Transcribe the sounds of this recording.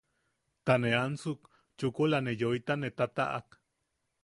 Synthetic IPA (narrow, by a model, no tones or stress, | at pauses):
t̪aneansuk | t͡ʃukolanejojt̪anet̪at̪a̰ʔa̰k